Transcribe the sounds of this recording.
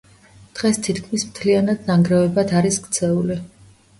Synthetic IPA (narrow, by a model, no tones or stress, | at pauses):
d̪̥ʁɛst̪ʰit̪kʰmismt̪ʰlianad̪naŋɡɾɛvɛbad̪ʰaɾiskt̪sʰɛuli